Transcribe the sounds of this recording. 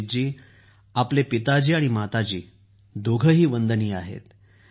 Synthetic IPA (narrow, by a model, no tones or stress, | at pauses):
d͡ʑiː | aplepit̪ad͡ʑiːaɽ̃imat̪at͡ɕiː | d̪ʱoɡʱəɦiːʋənd̪əniːaɦḛt̪